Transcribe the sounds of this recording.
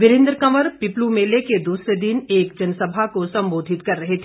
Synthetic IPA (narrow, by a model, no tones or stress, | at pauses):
ʋɪɾɪ̃nd̪ɾəkɐʋəɾpɪplumeːleked̪uːsɾed̪ineːkd͡ʒɐnsɐbʱakosɐ̃mboːd̪ʱɪt̪kɐɾːɐɦet̪ʰe